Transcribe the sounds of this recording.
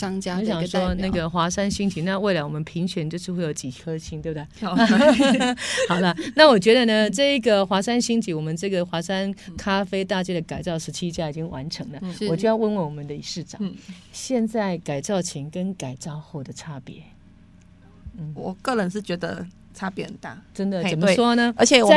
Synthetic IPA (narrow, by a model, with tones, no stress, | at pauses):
ɑ˥ŋt͡ɕja˥˧˥ɕjɑ˨˩ŋʂɔ˥˧˥na˥˩ɡə˩xwa˧˥ʂa˥nɕi˥ŋt͡ɕi˧˥˦na˥˧we˥˩ɪla˨˧ɪwɔ˨˩mə˦npʰi˧˥ŋt͡ɕʰɥɛ˧˥nt͡ɕjo˥˧ʊʂɻ̩˥˧we˥˩jo˨˧˩ʊt͡ɕi˨˩kʰɤ˥ɕʰi˧˥nt̪we˥˧b̚d̪e˥˩ɪ˧ | xɑ˨˩ʊd̪ə˦na˥˨wɔ˨˩t͡ɕɥɛ˧˥d̪ə˨nə˨ʈ͡ʂɤ˥˧i˥ɡə˨xwa˧˥ʂa˥nɕi˥ŋt͡ɕi˧˥wɔ˨˩mə˦nʈ͡ʂɤ˥˩ɡə˩xwa˧˥ʂa˥nkʰa˥fe˥ɪt̪a˥˧t͡ɕjɛ˥d̪ə˨ka˨˩ɪt͡sɑ˥˩ʊʂɻ̩˧˥t͡ɕʰi˥t͡ɕja˥i˨˩t͡ɕi˦ŋwa˧˦nʈ͡ʂʰɤ˧˥ŋlə˨wɔ˨˩t͡ɕo˥˧jʊwə˥˧nwə˥˩wɔ˨˩mə˦nd̪ə˦˧i˨˩ʂɻ̩˥˩ʈ͡ʂɑ̰˨˦ŋɕjɛ˥˧nt͡sa˥˩ɪka˨˩ɪt͡sɑ˥˩ʊt͡ɕʰɛ˧˥ŋkə˦nka˨˩ɪt͡sɑ˥˧ʊxo˥˩ʊd̪ə˩ʈ͡ʂʰa˥pjɛ̰˧˥ | n̩˥˩wɔ˨˩kɤ˥˩ɻə˧˥nʂɻ̩˥˩t͡ɕɥɛ˧˥d̪ə̰˧ | ʈ͡ʂʰa˥pjɛ˧˦hə˨˩t̪a̰˥˩ʈ͡ʂə˦˥nd̪ə˨t͡sə˨˩nmə˦ʂwɔ˥nə˧ə˞˧˥t͡ɕʰjɛ˨˥